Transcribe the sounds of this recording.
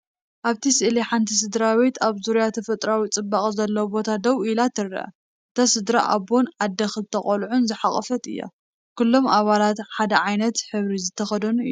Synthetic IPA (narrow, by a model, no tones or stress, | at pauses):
ʔaβt̪ʰisɨʔliħant̪ʰis̬ɨd̪ɾaβe̞t̪aβzuɾijat̪ʰɐfɐt̪ʼɾawit͡sʼɨbːakʼzɐlːɐwubo̞t̪ʰad̪ɐwilat̪ʰɨɾɐ̰ʔɐ̰ | ɨt̪ʰasɨd̪ɾa̰ʔa̰bonʕad̪ːɐxɨt̪ʰɐχʼɐlʕunzɨħaχʼɐfɐt̪ɨjːa̰ | kʰulːo̞maβalat̪ħad̪ɐʕajnɐt̪ħɨβɾizɨt̪ʰːɐxɐd̪ɐnuɨ̰ju